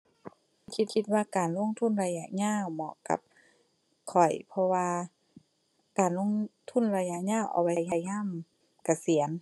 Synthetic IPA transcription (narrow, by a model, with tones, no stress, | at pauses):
kʰi˧t̪̚kʰi˧t̪̚waː˧˨kaː˨˩nlo˧˥˨ŋt̪ʰu˧˥˨nɾa˧ja˧ɲaː˧˥˨wmɔː˧˩ʔka̰˧˦p̚ | kʰɔ˨˩jpʰɔ˧waː˧ | kaː˨˩nlo˧˥˨ŋt̪ʰu˧˥˨nɾa˧ja˧˨ɲaː˧˥˨wʔa̰˨˩wa˧˦˧jɲa˧˩jɲaː˧˥˨m | ka˧˩si˨˩˦ən